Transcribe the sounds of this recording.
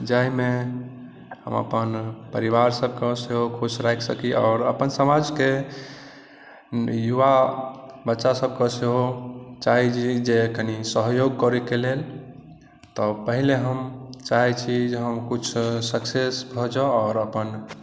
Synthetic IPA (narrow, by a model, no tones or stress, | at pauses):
d͡ʒaime | ɦə̰mə̰pənpəɾiβaɾsəb̚ʱkeseɦokʰusɾajksəkiʔɔ̰ːɾəpənsəmad͡ʒke | juʋa | bətːʃasəb̚kɔseɦot͡ʃaɦid͡ʒid͡ʒekənisəɦjoɡ̚kɔɾɛkelel | t̪ɔpəɦileɦəmt͡ʃaɦɛt͡ʃʰid͡ʒeɦəmkut͡ʃʰsəksesbʱɔd͡ʒɔɔːɾəpən